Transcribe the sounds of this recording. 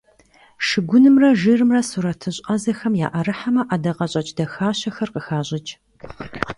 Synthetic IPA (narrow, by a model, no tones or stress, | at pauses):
ʃɨɡʷʊnɨmrɐʒɨrɨmrɐsuɾɐtʰɨɕʼɐzɐxɐmja̰ːʔɐɾɨħamɐʔɐdɐqɐɕʼɐt͡ʃʼdɐxaːɕɐxɐrqəxaːɕʼɪt͡ʃʼ